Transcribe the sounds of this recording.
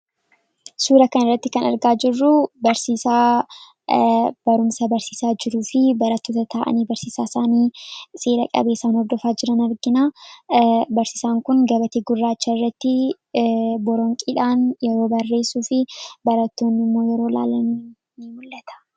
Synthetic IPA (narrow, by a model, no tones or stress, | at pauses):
suːɾɐkɐnɪrːɐt̪ːɪkɐnɐ̰ɾɡaːd͡ʒɪrːʊbɐɾsiːsaː | b̥ɐɾʊmsɐbɐɾsiːsaːd͡ʒɪɾuːfɪbɐɾɐt̪ːoːt̪ɐt̪ʰaːʔɐ̰niːbɐɾsiːsaːsaːniːsʼeːɾɐkʼɐ̰be̞ːsaːnhɔɾd̪ɔfaːd͡ʒɪɾɐnɐɾɡɪnaː | bɐɾsiːsaːŋkʊnɡɐbɐt̪eːɡʊrːaːt͡ʃːɐɪrːɐt̪ːɪ | bɔɾɔŋkʼiːᶑaːnjɛɾo̞ːbɐrːe̞ːsuːfɪbɐɾɐt̪ːoːnːɪmːo̞ːjɛɾo̞ːla̰ːlːɐmeː | mʊlːɐt̪ʰɐ̥